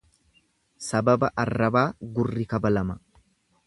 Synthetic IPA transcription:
sɐbɐbɐʔɐrːɐbaːɡʊrːɪkɐbɐlɐmɐ

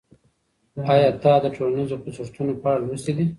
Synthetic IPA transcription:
ɑjɑd̪ɑd̪əʈʰolanizopəsʊɾt̪ʰunopɑːɽalwəsid̪i

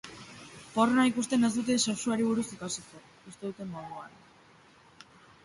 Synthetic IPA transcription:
po̞ronaikust̪e̞ne̞zd̪ut̪eseksuaɾiβ̞uɾusikasiko | ust̪e̞ðut̪e̞mːoðuan

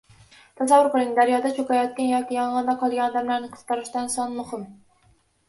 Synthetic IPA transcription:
t̪ʰɛsævːʊɾqəlˠɪŋd̪æɾjɑd̪ɛt͡ʃʰokɑjɑt̪̚kʲɛnjɑkʲijɑŋʁɑnd̪ɑqʰɑlˠɡʲɛnɑd̪ɛmlæɾnɨqʰə̥z̥t̪ɑɾɨʃt̪ɑnsɑnmʊχɨm

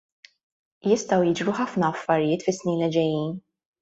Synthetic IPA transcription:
jɪst̪ɐwjɪd͡ʒɾuħɐfnɐːfːɐɾɪjɪːt̪fɪsːniːnlɪd͡ʒɛjːiːn

